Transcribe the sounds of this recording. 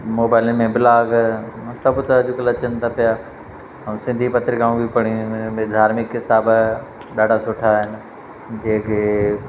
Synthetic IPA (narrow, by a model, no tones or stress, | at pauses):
moːbaːɪlənɪ̆mẽbɪlaːɡsɐbʊt̪ɐd͡ʑʊkəlɐt͡ɕənɪt̪ʰapija | ɦɐ̃sɪ̃nd̪ʱipɐt̪ɾɪkãũbʱipɐɽ̃imẽd̪ʱaːɾmɪkːɪt̪aːb | ɗaːɖʱasʊːʈʰaɦɪnɪ̆ | d͡ʑẽːkʰeː